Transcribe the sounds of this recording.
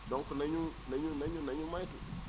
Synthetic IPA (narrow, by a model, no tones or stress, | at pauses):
doŋkunaɲunaɲunaɲunaɲumajtu